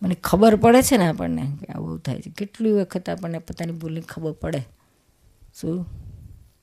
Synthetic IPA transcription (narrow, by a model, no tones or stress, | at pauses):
mənekʰəbəɾpəɽet͡ʃʰeneapə̰ɳnḛka̰ʋṵḛut̪ʰa̰jt͡ʃʰekeʈliʋəkʰət̪apəɳnepot̪anibʱulĩŋkʰəbəɾpəɽe | ʃũ